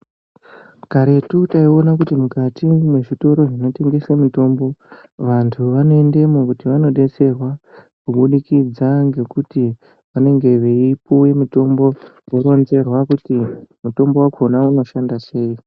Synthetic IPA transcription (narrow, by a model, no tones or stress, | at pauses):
kaɾe̞tutaio̞nak̬utimukatimwe̞ʐito̞ɾo̞ʐino̞te̞ŋɡe̞semuto̞ːmbo̞ | ʋantʰuʋano̞e̞nde̞mokutiʋano̞ɗe̞t͡se̞rwa | kuɓuɗikid͡zaŋɡe̞kuti | ʋane̞ŋɡe̞ʋeipuje̞muto̞mbo̞ | woɾo̞nze̞rwakutimuto̞mbo̞wakʰo̞nauno̞ʃandase̞ːi